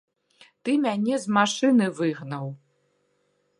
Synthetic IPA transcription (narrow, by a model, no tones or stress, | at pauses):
t̪ɨmʲanʲɛzmaʂɨnɨvɨɣnɐw